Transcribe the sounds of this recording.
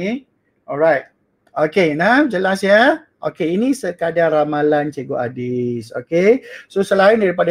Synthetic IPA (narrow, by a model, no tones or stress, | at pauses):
ʔɔɾajt̚ | okenawd͡ʒəlasjə | ʔokeinisəkadaramalant͡ʃeɡoʔa̰diso̰kesosəlaindaɾip̬ada